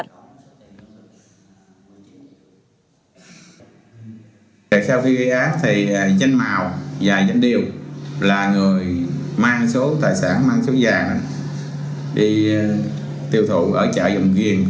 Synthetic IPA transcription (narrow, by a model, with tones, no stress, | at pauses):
a̰ː˨jsʰɛː˧wxi˧ɣə˧jʔaː˨˦t̪ʰi˨˩˨za˧ŋ̟maː˨˩wvaː˨˩za˧n̟ɗi˨˩əwlaː˨˩ŋɨ˨˩əjmaː˧ŋso˨˦t̪a̰ː˨˩jsa̰ː˧˩nmaː˧ŋso˨˦zaː˨˩ŋʔa˨˦ | ɗi˧ | t̪i˧əwt̪ʰṵ˧˨ʔəː˧˩t͡ɕə̰ː˧˩zə˨˩wŋ͡mɣi˨˩ən